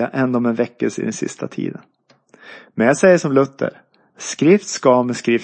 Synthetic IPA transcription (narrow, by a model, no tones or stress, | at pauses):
aʔɛnd̪ɔmɛnvɛkːəlsəɪ̰d̪ɛnsɪ̰st̪ʰat̪ʰḭːd̪ən | mɛnjasɛjːəʂɔmlɵt̪ʰːə̰ɾ | skɾɪft̪skɑmɛskɾɪf